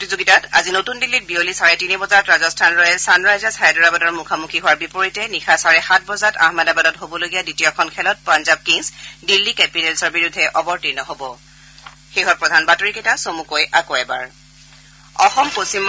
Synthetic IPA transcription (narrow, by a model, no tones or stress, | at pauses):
potizoɡitata̰zinotundilːit̚biolisaɹɛtinibɔzatɹazɔstʰanɹɔjɛsanɹajzasʰajɛdɔɹabadɔɹmukʰamukʰiɦʊwaɹbipoɹitɛnixʰasaɹɛxat̚ʰbɔzata̰hmɛdabadɔtɦobɔloɡijaditijɔkʰɔnkʰɛlɔt̚panzab̚kiŋsdilːikɛpinɛlsɔɹbiɹʊdʱːɛʔɔbɔɹtinɔɦobɔ | xeɦɔt̚pɹɔdʱanbatoɹikɛtasomukojʔakoɛba̰ɹ | ɔxɔmposim